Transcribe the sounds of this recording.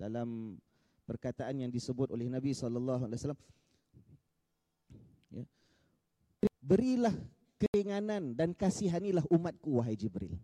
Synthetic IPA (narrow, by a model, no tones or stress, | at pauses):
dalam | pərkat̪aʔanjaŋdisəbʊt̪olɛhnabisɔlalːaɦualewasalam | ja̰ | bəɾilah | kəiŋanandankasiɦanilaɦumat̪̚kuwaɦajd͡ʒibɾɪ̰l